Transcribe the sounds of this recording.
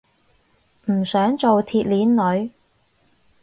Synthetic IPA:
m̩˨˩sœː˨˥ŋt͡so˨wt̪ʰiː˨˧t̚liː˨˥nːɵ˨˧ɥ

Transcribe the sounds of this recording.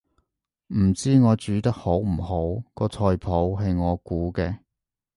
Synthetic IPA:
m̩˨˩t͡siː˥ŋɔː˨˧t͡ʃyː˨˥t̪ɐ˥k̚ho˨˥wm̩˨˩ho˨˥wkɔː˧t͡sʰɔː˧jpʰo˨˥wɦɐ˨jŋɔː˨˧kuː˨˥kɛː˧

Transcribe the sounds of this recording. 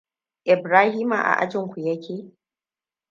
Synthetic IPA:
ʔɪ˨bɾaː˦hiː˦ma̰˨ʔa̰˨ʔa̰˦d͡ʒɪ˦˨ŋkʷu˨jɐ˦kʲʰeː˦˨

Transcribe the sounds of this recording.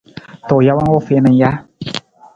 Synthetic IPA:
t̪o˨ja˦wa˦ŋwo˦˨fe˦na˧nja˦

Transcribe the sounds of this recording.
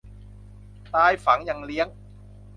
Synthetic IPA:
t̪aː˧jfa˩˦ŋja˨˩ŋli˦˥əŋ

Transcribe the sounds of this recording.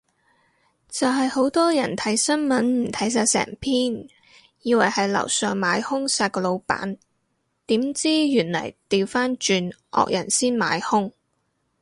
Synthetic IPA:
t͡sɐ˨wɦɐ˨jho˨˥wt̪ɔː˥jɐ˨˩nt̪ʰɐ˨˥jsɐ˥nmɐ˨˥nm̩˨˩t̪ʰɐ˨˥js̬aː˧t̚sɛ̰ː˨˩ŋpʰiː˥n | jiː˨˧wɐ˨˩jhɐ˨jlɐ̰˨˩wsœː˨ŋmaː˨˧˥jhʊ˥ŋsaː˧t̚kɔː˧lo˨˧wpa̰ː˨˥n | t̪iː˨˥mt͡siː˥jyː˨˩nlɐ̰˨˩jt̪iː˨wfaː˥nt͡ʃyː˧nʔɔ̰ː˨k̚jɐ̰˨˩nsiː˥nma̰ː˨˥jhʊ˥ŋ

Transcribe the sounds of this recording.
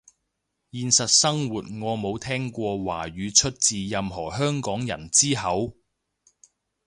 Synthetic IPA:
jiː˧nsɐ˨t̚sɐ˥ŋwuː˨t̚ŋɔː˨˧mo˨˧wt̪ʰɛː˥ŋkʷɔː˧wa̰ː˨˩ɥyː˨˧t͡ʃʰɵ˥t̚t͡siː˨jɐ˧mɦɔː˨˩ɦœː˥ŋkɔː˨˥ŋjɐ̰˨˩nt͡siː˥ɦɐ˨˥w

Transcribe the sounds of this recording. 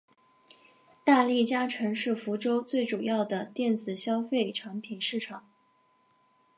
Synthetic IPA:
t̪a˥˧li˥˩t͡ɕja˥ʈ͡ʂʰɤ˧˥ŋʂɻ̩˥˩fu˧˥ʈ͡ʂo˥ʊt͡swe˥˩ɪʈ͡ʂu˨˩jɑ˥˩ʊd̪ə˩t̪jɛ˥˩nt͡sɹ̩˨˩ɕjɑ˥ʊfe˥˩ɪʈ͡ʂʰa˧˥ŋpʰi˨˩nʂɻ̩˥˩ʈ͡ʂʰɑ˨˩˦ŋ

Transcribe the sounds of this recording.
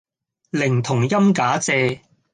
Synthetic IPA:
lɪ˨˩ŋt̪ʰʊ˨˩ŋjɐ˥mkaː˨˥t͡sɛː˧

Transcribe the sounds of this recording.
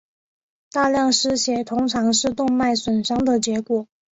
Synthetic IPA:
t̪a˥˧ljɑ˥˧ŋʂɻ̩˥ɕjɛ˨˩t̪ʰʊ˥ŋʈ͡ʂʰɑ˧˥ŋʂɻ̩˥˧t̪ʊ˥˧ŋma˥˩ɪswə˨˩nʂɑ˥ŋd̪ə˨t͡ɕjɛ˧˥kwɔ˨˩˦

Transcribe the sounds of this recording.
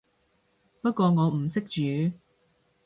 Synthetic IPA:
pɐ˥t̚kʷɔː˧ŋɔː˨˧m̩˨˩sɪ˥k̚t͡ʃyː˨˧

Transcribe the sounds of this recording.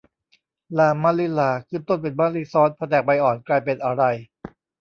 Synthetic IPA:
laː˧˩mːaː˧˥li˦˧˥laː˨˩kʰɯː˥˩˨nt̪o˥˩npe˧nmaː˧˥li˧˥sɔː˦˥npʰa˧t̪ɛː˨˩k̚pa˧jʔɔː˨˩nklaː˧jpe˧nʔa˧ɾa˧j

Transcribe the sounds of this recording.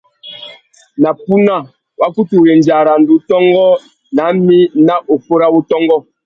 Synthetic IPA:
na˨pu˦na˦˨ | wa˦ku˦tu˨ɾe˨n˨d͡ʒa˨ɾa˨ndu˨˦tɔ˦ŋɡɔ˦ | na˨˦mi˦na˦ʔo˨po˦ɾa˦wu˦tɔ˦ŋɡɔ˦

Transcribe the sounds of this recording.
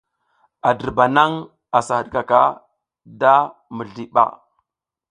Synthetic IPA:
a˨də˨ba˨na˦ŋ | a˨sa˨hə˨ɗka˨ka˦ | da˦mə˨ɮi˨ɓa̰˦

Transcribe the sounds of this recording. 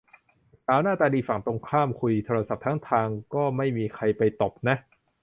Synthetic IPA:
saː˩˦wnaː˥˩t̪aː˧diː˧fa˨˩ŋt̪o˧ŋkʰaː˥˩mkʰu˧jt̪ʰoː˧ɾa˧sa˨˩p̚t̪ʰa˦˥ŋt̪ʰaː˧ŋkɔː˥˩ma˥˩jmiː˧kʰa˧jpa˧jt̪o˨˩p̚na˦˥ʔ

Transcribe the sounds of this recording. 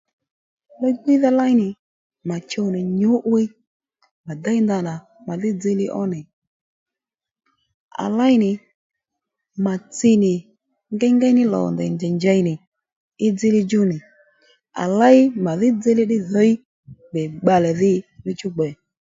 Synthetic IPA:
lɔ˦ɡ͡bi˦ða˦la˦ɪ˦nɪ˨ | ma˨t͡ʃo˧nɪ˨ɲʊ˨˦ʔwɪ˦ | ma˨da˦jnda˧na˨ | ma˨ðɪ˦d͡zɪ˧lɪ˦ʔɔ̰˦nɪ˨ | a̰˨la˦jnɪ˨ | ma˨t͡sɪ˧nɪ˨ | ŋɡɛ˦ŋɡɛ˦nɪ˦lɔ̰˨ndɛ̰˨nd͡ʒɛ˨ɲd͡ʒa˧jnɪ˨ | ɪ˦d͡zɪ˦lɪ˧d͡ʒʊ˦nɪ˨ | a̰˨la˦ɪ˦ma˨ðɪ˦d͡zɪ˦lɪ˦ɗɪ˦ðɔ˨˦i˦ | bɛ˨ɡ͡ba˧lɛ˨ðɪ˦lɪ˧t͡ʃʊ˦ɡ͡bɛ˨

